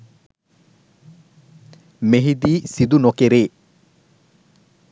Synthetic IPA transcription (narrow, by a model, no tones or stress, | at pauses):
meɦid̪iːsid̪unokeɾeː